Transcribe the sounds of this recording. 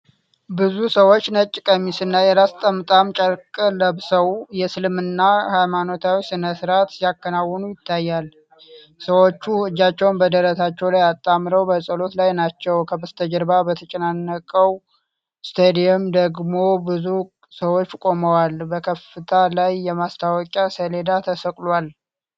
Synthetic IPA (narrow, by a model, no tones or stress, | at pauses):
bɨzusəwo̞t͡ʃːnət͡ʃʼːɪkʼəmisɨnːajɛɾast̪ʼəmɨt̪ʼamt͡ʃʼəɾkʼələβsəwjɛsɨlmɨnːahajmano̞t̪ʰawisɨnəsɨɾat̪jakːənawːɔnujɪt̪ʰːajːal | səwo̞t͡ʃːuɨd͡ʒːat͡ʃːɛwnbəd̪əɾət̪at͡ʃːɛwlajat̪ʼːamɾəwbəsʼəlo̞t̪lajnat͡ʃːɛwkʰəbɨst̪ʰəd͡ʒəɾbabət̪ʰət͡ʃʼɛnanːəkʼəw | st̪ʰed̪eɛmd̪əɡmo̞bɨzu | səwo̞t͡ʃːkʼo̞məwalbəkʰəfɨt̪ʰalajːɛmast̪ʰawɔkʼasəle̞d̪at̪ʰəsəkʼlwal